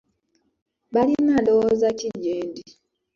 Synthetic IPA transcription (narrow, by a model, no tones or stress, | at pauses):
βalinadowozaciɟeːndi